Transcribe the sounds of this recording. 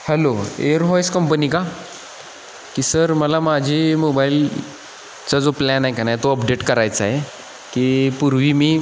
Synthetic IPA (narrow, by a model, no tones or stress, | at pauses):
hɛloḛəɾɦɔjskəmpənika | kiːsəɾməlamad͡ʑʱimobail | t͡sad͡zoplænaɦekanaet̪oəpɖeʈkəɾajt͡saɦe | kiːpuɾʋiːmiː